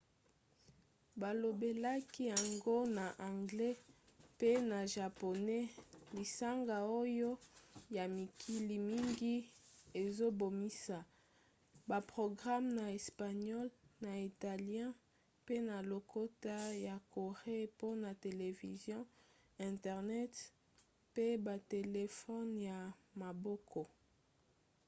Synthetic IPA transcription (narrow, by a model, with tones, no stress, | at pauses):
ba˨lo˨be˨la˦ki˦ja˨ŋɡo˦na˨ʔã˨ŋɡlɛ˦pe˦na˨ʒa˨po˨nɛ˦li˨sa˦ŋɡa˨o˦jo˦ja˨mi˨kʰi˦li˨mi˦ŋɡi˦e˨zo˦bo˨mi˦sa˨ | ba˨pʁo˨ɡʁa˦mna˨ɛ˨spa˨ɲɔ˦lna˨i˨ta˨ljɛ̃˦ | pe˦na˨lo˨ko˦ta˦ja˨ko˨ʁe˦po˦na˨te˨le˨vḭ˨zjɔ̃˦ | ɛ̃˨tɛ˨ʁnɛ˦t | pe˦ba˨te˨le˨fɔ˦nja˨ma˨bɔ˦kʰɔ˨